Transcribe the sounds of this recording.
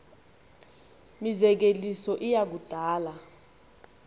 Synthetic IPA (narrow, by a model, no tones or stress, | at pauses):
mizɛk̬elisɔʔijak̬ud̥ʱaːla